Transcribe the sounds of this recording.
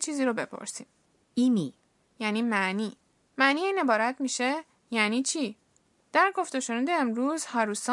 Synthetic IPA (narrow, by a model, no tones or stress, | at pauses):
t͡ʃʰiːziːɾobe̞pʰo̰ɾsiːm | ini | jæːniːmæniː | mæniːiːne̞bɒːɾæt̪ʰmiːʃe̞ | jæniːt͡ʃʰiː | d̪̥æɾɡo̞ft̪oʃonænd̪eːmɾuːzhɒːɾuːsɒ